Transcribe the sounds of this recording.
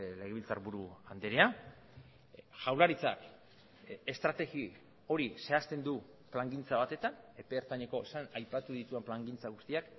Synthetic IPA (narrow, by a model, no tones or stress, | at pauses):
le̞ɣ̞eβilt͡sa̰ɾβuɾuand̪eɾea | ʝawlaɾit͡sa̰k | e̞st̪ɾat̪e̞ɣi | o̞ɾise̞ast̪e̞nd̪u | plaŋɡint͡saβat̪e̞t̪ane̞peːɾt̪aɲeko̞sanajpat̪uðit̪ue̞mplaŋɡint͡saɣ̞ust̪iak